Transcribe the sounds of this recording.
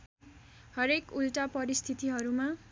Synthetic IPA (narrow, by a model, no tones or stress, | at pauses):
hʌɾekulʈapʌɾist̪ʰit̪iɦʌɾuma